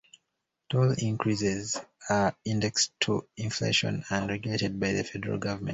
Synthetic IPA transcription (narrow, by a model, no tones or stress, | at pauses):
tʰolĩŋkʰɹisɛzaĩndɛkstʰuĩnflḛʃɔ̰̃nə̃ndɹɛɡjletɛd̚baɪðəfɛdəɹa̰lˠɡʌvəmɛ̃nt